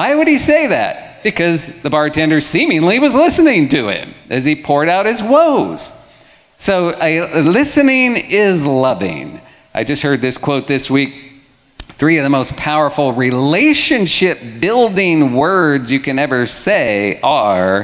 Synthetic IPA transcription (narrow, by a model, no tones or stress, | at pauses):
waɪwɨɾ̚iseɪðæ̰t̚b̥ɨkʰʌzðɨbɑɹ̚tʰɛ̃ndə˞sĩmɪ̃ŋliwʌzlɪsɨnɪ̃ŋtʰɨɪ̰̃mʔɨz̥ipʰɔɹɾaʊt̚hɨzwoʊz̥ | soʊɨlɪsɨnɪ̃ŋɪzlʌvɪ̰̃ŋ | ʔaɪvd͡ʒʌst̚hɜ˞d̪̚ðɪskʰw̥oʊt̪̚ðɪswik̚ | θɹiʌvðəmoʊspʰaʊə˞fl̩ˠɹileɪʃɨ̃nʃɪp̚b̥ɪlˠdɪ̃ŋwɜ˞dzjɨkɨ̃nɛvə˞seɪə˞